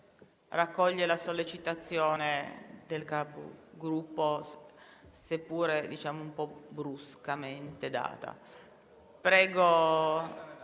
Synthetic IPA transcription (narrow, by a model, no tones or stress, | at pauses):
rakːɔʎːelasolːet͡ʃit̪at̪sːjoːned̪elkaːpo̰ɡɾupːo | sepːuːɾed̪it͡ʃaːmoumpɔbɾuskament̪ed̪a̰ːt̪a̰ | pɾɛːɡo